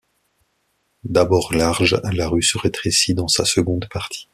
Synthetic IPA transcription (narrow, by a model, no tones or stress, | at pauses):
d̪abɔʁlaʁʒlaʁysəʁet̪χesid̪ɑ̃sasəɡɔ̃d̪paʁt̪ʰi̥